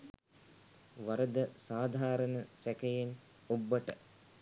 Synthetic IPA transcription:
ʋɐɾəd̪əsaːd̪ʱaːɾənəsækɐjen | obːəʈə

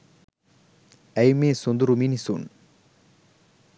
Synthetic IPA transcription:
ɛjmesund̪uɾuminisun

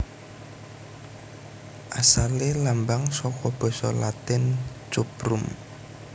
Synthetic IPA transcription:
ʔasalelambaŋsɔkɔb̥ɔ̤sɔlat̪ɪnt͡ʃupɾum

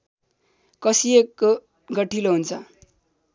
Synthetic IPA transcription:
kʌsieko | ɡʌʈʰiloɦunt͡sʰʌ

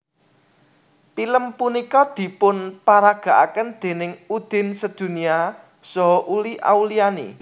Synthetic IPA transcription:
piləmpunikɔd̪̥i̤pʊnpaɾaɡ̥a̤ʔa̰kənd̪̥e̤nɪŋud̪̥ɪ̤nsəd̪̥ṳnia | sɔɦɔʔuliʔa̰ulianḭ

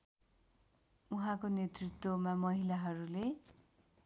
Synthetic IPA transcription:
uɦãkonet̪rit̪womamʌɦilaɦʌɾule

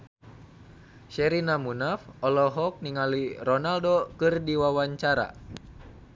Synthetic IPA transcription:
ʃɛɾinamunafɔlɔɦɔk̚niŋalirɔnaldokɨrdiwawaɲt͡ʃaɾa̰

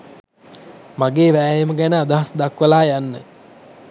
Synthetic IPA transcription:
maɡeːʋæːjeməɡænəad̪aɦasd̪akʋəlaːjanːə

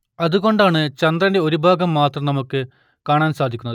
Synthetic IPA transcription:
ɐðuɣo̞ɳɖaːɳɨt͡ɕɐnd̪rɐnde̞o̞ɾubʱaːɡɐmːaːt̪rɐmnɐmukːɨ | kaːɳaːnsaːd̪ʱikʲːunːɐðɨ

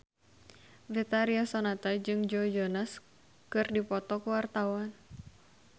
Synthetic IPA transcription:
vit̪aɾiasonat̪ad͡ʒɨŋd͡ʒɔd͡ʒɔnas | kɨrdipɔt̪ɔkuwart̪awan

